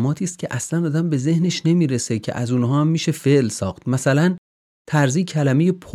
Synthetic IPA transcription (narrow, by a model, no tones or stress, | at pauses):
mɒːt̪ʰiːst̪̚cʰeʔæslænɒːd̪æmbe̞ze̞hne̞ʃne̞miːɾe̞secʰḛʔæzuːnɦɒːæmːiːʃe̞fe̞ʔlsɒːxt̪mæsælæn | t̪ʰæɾziːcʰælæme̞jepʰo